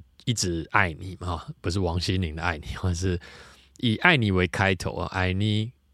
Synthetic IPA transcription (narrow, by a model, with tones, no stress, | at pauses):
i˥˩ʈ͡ʂɻ̩˨˦a˥˩ɪni˨˩m˨hɔ˦pu˨˦ʂ̬ɻ̩˥˩wɑ˧˦ŋɕi˦nli˨˦ŋd̪ə˨˦a̰˥˩ɪni˨˩hɔ˥˦ʂ̬ɻ̩˥˨ | i˨˩ʔa˥˩ɪni˨˩we˧˦ɪkʰa˦ɪt̪ʰo̰˨˦ʊ̰˨ʔa˨˥ɪni˨˩